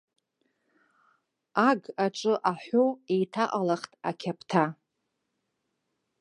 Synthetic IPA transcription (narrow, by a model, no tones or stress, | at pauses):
aɡaʈ͡ʂʷʼɨʔaħʷoejtʰaʔʼalaχtʼa̰kʲʰapʰtʰa